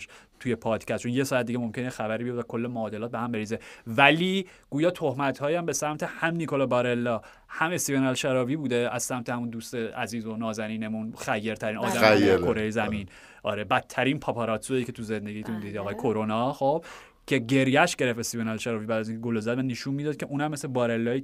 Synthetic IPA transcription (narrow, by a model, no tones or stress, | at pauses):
ʃt̪ʰujepʰɒːd̪̥cʰæst̪t͡ʃʰonjesɒːæt̪̚d̪iɟemo̞mcʰʲenejexæbæɾiːbejod̪vækʰo̞lːemoːd̪elɒːt̪̚behæmbe̞ɾiːzevæliː | ɡ̥uːjɒːt̪ʰohmæt̪ʰhɒːjæmbesæmt̪ʰehæmnikʰo̞lɒbɒɾe̞lːɒ | hæmest̪ijonælʃæɾɒːviːbuːd̪eæzsæmt̪ʰehæmund̪uːst̪eæ̰ziːzo̞nɒːzæniːne̞munxæjːe̞ɾt̪ʰæɾiːnɒːd̪æmkʰoɾejezæmin | ʔɒ̰ːɾebæt̪ʰːæɾiːnpʰɒːpʰɒɾɒːt̪sueicʰe̞t̪ʰuzend̪eɟijt̪ʰund̪id̪iɒːɣɒːjekʰoɾonɒxob̥̚ | cʰe̞ɟe̞ɾjæʃɟe̞ɾefest̪ionælʃæɾɒːvibæːd̪æziːŋkʰeɡolozæd̪væneʃunmiːd̪ɒːd̪̥̚kʰʲeʔuːnæmːeslebɒːɾe̞lːɒːi